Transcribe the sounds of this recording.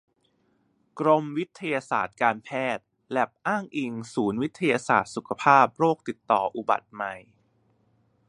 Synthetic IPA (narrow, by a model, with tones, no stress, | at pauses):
kɾo˧mwi˦˥t̪ʰːa˧jaː˧sa̰ː˨˩t̪̚kaː˧npʰɛː˥˩t̪̚ | lɛ˨˩p̚ʔaː˥˩ŋʔi˧ŋsuː˩˦nwi˦˥t̪ʰːa˧jaː˧sa̰ː˨˩t̪̚su˨˩kʰa˧pʰaː˥˩p̚ɾoː˥˩k̚t̪i˨˩t̪ːɔ̰ː˨˩ʔu˨˩ba̰˨˩t̪̚ma˨˩j